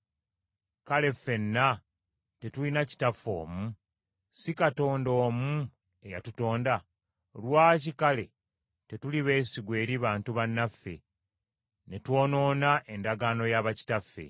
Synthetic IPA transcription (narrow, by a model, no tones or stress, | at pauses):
kale̞fːe̞nːa | te̞tulinaci̥tafo̞̰ːmu | sikato̞ːndo̞ːmu | e̞ja̰tuto̞ːnda | lwaːcikale̞ | te̞tuliβe̞ːsiɡwe̞ːɾiβaːntuβanːafːe̞̰ | ne̞two̞ːno̞ːnaʔe̞ndaɡaːno̞jaβaci̥tafːe̞̰